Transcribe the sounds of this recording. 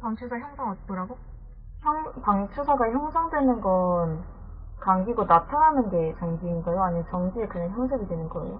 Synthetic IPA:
paŋt͡ɕʰusʰaçjʌŋsʰaŋʌt̚t͈ʌɾaɡo | çjʌŋpaŋt͡ɕʰusʰaɡaçjʌŋsʰaŋdwe̞nɯnɡʌn | kaŋɡiɡonatʰanɦanɯnɡe̞t͡ɕʌŋɡiːnɡʌjoaɲimat͡ɕʌŋɡie̞kɯɲaŋçjʌŋsʰeɡidwenɯnɡʌḛjo

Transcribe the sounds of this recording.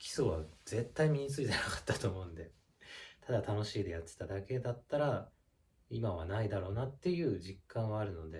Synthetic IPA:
kʲi̥so̞βaz̥e̞t̪ːaimʲiɲ̟it͡sɨit̪e̞nakḁt̪ːat̪o̞ːmo̞ɯ̟̃nd̪e̞ | t̪ʰad̪at̪ano̞ɕiːd̪e̞jat̪ːe̥t̪ad̪ake̞d̪at̪ːaɾa | imaβanaid̪aɾo̞ːnat̪ːe̞jɯ̟ːʑikːãɰ̃βaːɾɯ̟no̞d̪e̞

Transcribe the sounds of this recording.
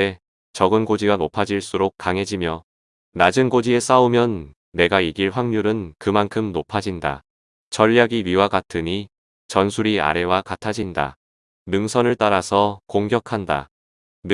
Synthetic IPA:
e | t͡ɕʌɡɯnɡod͡ʑiɡanopʰad͡ʑiɭs͈uɾok̚k͈aŋɦe̞d͡ʑimjʌ | nad͡ʑɯnɡod͡ʑie̞s͈aumjʌnː | e̞ɡaiɡiɭɸwaŋɲuɾɯnkɯmankʰɯmnopʰad͡ʑinda̰ | t͡ɕʌʎːaɡiɥiwaɡatʰɯɲi | t͡ɕʌnsʰuɾia̰ɾe̞wakatʰad͡ʑinda̰ | mɯŋsʰʌnɯɭt͈aɾasʰʌkoŋɡjʌkʰanda̰

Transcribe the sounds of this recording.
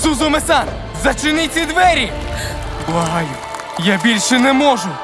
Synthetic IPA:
suzʊmesan | zɐt͡ʃɪnɪt͡sʲɐd̪ʋɛɾʲi | bˠɐɦɑjʊ | jabʲilʲʃɛnɛmɔʒʊ

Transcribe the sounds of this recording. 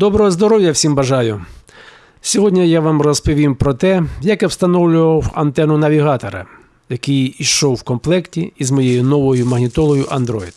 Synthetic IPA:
d̪ɔbɾɔɦɔzd̪ɔɾɔwjɐwsʲimbɐʒɑjʊ | sʲɔɦɔdʲnʲɛjaʋamrɔspɔʋʲimpɾɔt̪ɛjɐkjɐwst̪ɐnɔwlʲʊʋɐwɐnt̪ɛnʊnɐʋʲiɦɑt̪ɔɾɐ̰ | jɐkɪjiʃɔwːkɔmplˠɛktʲiizmɔjejʊnɔʋɔjʊmɐɦnʲɪt̪ɔlˠɔjʊʔɐnd̪ɾɔjid̪

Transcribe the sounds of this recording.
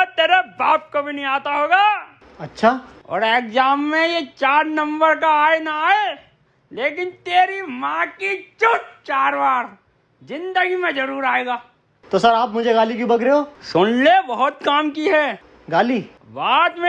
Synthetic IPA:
t̪eːɾebaːp̚kobʱinɐɦĩaːt̪aɦoːɡaː | ɐtːʃʰaːɔ̰ːɾeːkzaːmːẽjet͡ʃaːɾnɐ̃mbəɾkaaːenaaːe | leːk̬ɪnt̪eːɾimãkit͡ʃʊʈt͡ʃaːɾʋaːɾ | zɪ̃nd̪əɡimẽzɐɾuːɾaːeːɡaː | t̪osɐɾaːpmʊd͡ʒʱeɡaːlikjũbɐkɾeɦoːsʊnlebɐɦʊt̪̚kaːmkiɦɛː | ɡaːliː | ʋaːt̪mẽ

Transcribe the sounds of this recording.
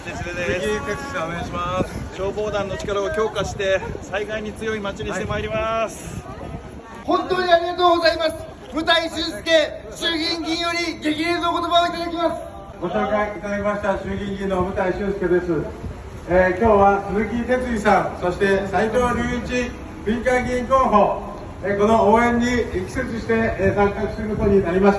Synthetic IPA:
ieiaɕimasɕo̞ːbo̞ːd̪ãnːo̞t͡ɕi̥kaɾaokʲo̞ːkaɕi̥t̪e̞saiɡaiɲ̟it͡sɨjo̞imat͡ɕiɲʲiɕt̪emaeɾʲimasɨ̥ | hõ̞nt̪o̞ːɲ̟ʲiaɾʲiɡat̪o̞ːɡo̞zaimasɨ̥ | mɯ̟t̪aiɕɨːsɨ̥ke̞ | ɕɨːɡʲĩŋɡʲĩɰ̃jo̞ɾʲiɡe̞ɡʲiɾesɨno̞ko̞t̪o̞baoit̪ad̪akʲimasɨ̥ | ɡo̞ɕo̞ːkaiit̪ad̪akʲimaɕi̥t̪aɕɨːɡʲĩŋɡʲĩnːo̞mɯ̟t̪aiɕɨːsɨ̥ke̞d̪e̞sɨ | ekʲo̞ːβat͡sɨzɨkʲit̪e̞t͡sɨisãñso̞ɕi̥t̪e̞sait̪oːβaɾʲɨːit͡ɕi | bʲĩŋkãŋɡʲĩŋkoːɦo̞ | eko̞no̞oːẽ̞ɲ̟ːiikʲi̥set͡siɕi̥t̪e̞zãŋkakɯ̟sɨɾɯkot̪o̞ɲ̟inaɾʲimaɕi̥

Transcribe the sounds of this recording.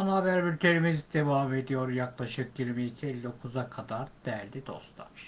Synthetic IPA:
anaabæɾbiɾt̪ʰeɾimizid̪̥evaːme̞d̪ijo̞ɾjaklˠaʃɯk̚ɟiɾmiic̪ʰielʲːokʰuzakʰad̪aɾd̪̥æɾd̪id̪o̞̰st̪ʰa̰ʃ

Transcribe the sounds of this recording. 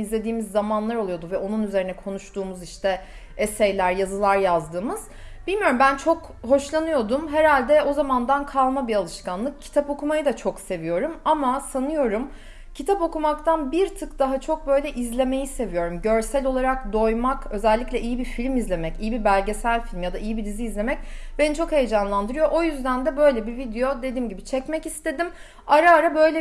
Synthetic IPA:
izlʲe̞d̪iːmizːamanlˠaɾo̞lˠujo̞d̪uvɛo̞nunyze̞ɾinɛkʰo̞nuʃt̪uːmuziʃt̪ʰɛ | esejlʲæɾjazɯlˠaɾjazd̪ɯːmɯz̥ | b̥ilʲmijo̞ɾumbænt͡ʃʰo̞k | ɦo̞ʃlˠanɯjo̞d̪umɦeɾalʲd̪ɛo̞zamand̪ankʰalˠmabialˠɯʃkanlˠɯk̚cʰːi̥t̪ʰapo̞kumajɯd̪at͡ʃʰo̞kse̞vijo̞ɾumamasanɯjo̞ɾum | cʰit̪ʰapo̞kumakt̪ʰanbiɾt̪ʰɯkd̪̥aɦat͡ʃʰo̞k̚bø̞jlʲɛʔizlʲe̞me̞jise̞vijo̞ɾumɟø̞ɾsælʲo̞lˠaɾakd̪o̞jmakø̞zɛlʲːiclʲɛʔijibiɾfilʲmizlʲe̞mɛcijibibælʲɟe̞sælʲfilʲmjad̪aijibid̪iziːzlʲe̞mɛc̚benit͡ʃʰo̞khejd͡ʒanlˠand̪ɯɾɯjo̞ʔo̞jyzd̪ænd̪ɛbø̞jlʲɛbivid̪ejo̞d̪ed̪iːmɟibit͡ʃʰɛcmɛcist̪ʰe̞d̪im | aɾaːɾabø̞jlʲɛ

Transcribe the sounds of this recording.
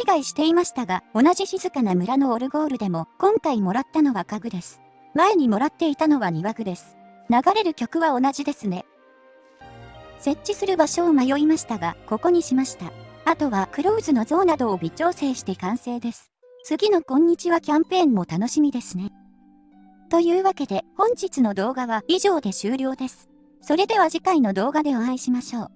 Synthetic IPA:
çiɡaiɕi̥t̪e̞imaɕi̥t̪aɡao̞naʑiçizɨkanamɯ̟ɾano̞ːɾɯ̟ɡo̞ːɾɯ̟d̪e̞mo̞kõ̞ŋkaimo̞ɾat̪ːano̞βakaɡɯ̟d̪e̞sɨ̥ | mae̞ɲ̟imo̞ɾat̪ːe̞it̪ano̞βaɲ̟iβaɡɯ̟d̪e̞sɨ̥ | naɡaɾe̞ɾɯ̟kʲo̞kɯ̟βao̞naʑid̪e̞sɨne̞ | se̞t͡ɕːisɨɾɯ̟baɕo̞ːmajo̞imaɕi̥t̪aɡako̞ko̞ɲ̟iɕimaɕi̥t̪aat̪o̞βakɯ̟ɾo̞ɯzɨno̞zo̞ːnad̪o̞ːbʲit͡ɕo̞ːse̞ːɕi̥t̪e̞kãɰ̃se̞ːd̪e̞sɨ̥ | t͡sɨɡʲino̞kõ̞ɲ̟ːit͡ɕiβakʲãmpẽ̞ːmːo̞t̪ano̞ɕimʲid̪e̞sɨne̞ | t̪o̞jɯ̟ːβake̞d̪e̞hõ̞ɲ̟d͡ʑit͡sɨno̞d̪o̞ːɡaβaiʑo̞ːd̪e̞ɕɨːɾʲo̞ːd̪e̞sɨ̥ | so̞ɾe̞d̪e̞βaʑikaino̞d̪o̞ːɡad̪e̞oãiɕimaɕo̞ː

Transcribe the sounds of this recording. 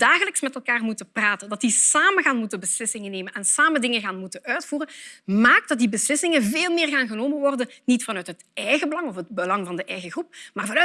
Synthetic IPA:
daːɣələksmɛtɛlˠkaːrmutəpraːtəndɑtdisaːməɣaːnmutənbəslɪsɪŋəneːmənɛnsaːməndɪŋəɣaːnmutənʔœɥtfuːrənmaːk̚dɑt̚dibəslɪsɪŋənveːlˠmɪːrɣaːnɣənoːmənʋɔrdənnitfɑnœɥtɦətɛjɣəbəlɑŋɔfɦəd̚bəlɑŋvɑndəʔɛjɣəɣrup̚maːrvɑnœ

